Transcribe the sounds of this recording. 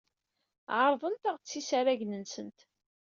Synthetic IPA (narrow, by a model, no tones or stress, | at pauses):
ʕəɾˤðˤənt̪aʁt͡sːisæɾæʝnənsənt̪